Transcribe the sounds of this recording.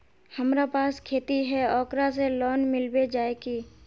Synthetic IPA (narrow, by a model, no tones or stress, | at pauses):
həmɾapaːskʰeːt̪iɦɛɔːkɾaselɔːnmɪlbed͡ʒaːekiː